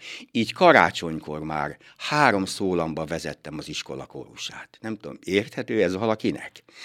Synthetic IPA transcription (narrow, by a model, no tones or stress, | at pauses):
iːckɒɾa̰ːt͡ʃo̞ɲko̞̰rma̰ːr | haːɾo̞msoːlɒmbɒvɛzɛt̪ːɛmɒziʃko̞̰lɒko̰ɾuʃaːt̪nɛmt̪ud̪omeːrt̪hɛt̪øːɛzvɒlɒkinɛ̰k